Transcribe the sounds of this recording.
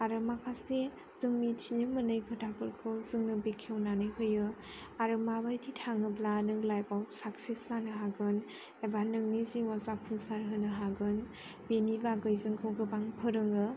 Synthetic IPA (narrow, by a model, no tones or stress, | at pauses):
aɾɯmakʰase | z̥ɯŋmitʰinɯmɯnɯjɡʰɯdʰapʰɯɾkʰɔzɯŋnɯbikʰewnanɯjhɯjɯ | aɾɯmabajtʰitʰaŋɯblanɯŋlajbawsak̚sesanɯɦaɡɯn | ebanɯŋniziwazapʰunsaɾɦɯnɯɦaɡɯn | benibaɡɯjzɯŋkʰɯwɡɯbaŋpʰɯɾɯŋɯ